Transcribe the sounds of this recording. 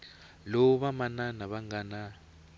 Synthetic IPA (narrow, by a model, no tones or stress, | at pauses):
lɔβamananaβaŋɡana